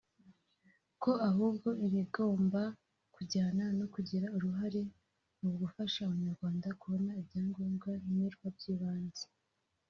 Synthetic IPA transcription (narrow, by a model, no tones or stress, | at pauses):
ko̞aɦuːb̚ɡo̞ʔimiɡo̞ːmba | kuɟaːnano̞kuɟeɾauɾuɦaɾe̞ | muɡufaʃaːβaɲaɾɡwaːndakuβo̞naibɟaːŋɡoːŋɡaimiɾɡwab̚ɟiːβaːnze̥